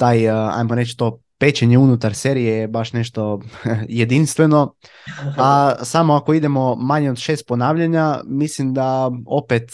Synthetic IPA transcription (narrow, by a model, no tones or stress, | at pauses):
t̪aːja̰jmoɾet͡ʃt̪o̞ː | pe̞t͡ɕeɲeunut̪aɾseɾijejbaʃne̞ʃt̪o̞jed̪inst̪ʋe̞no̞ | asamoako̞id̪e̞mo̞maɲeod̪ʃe̞ːst̪̚po̞naːʋʎaɲamislimd̪aopet̪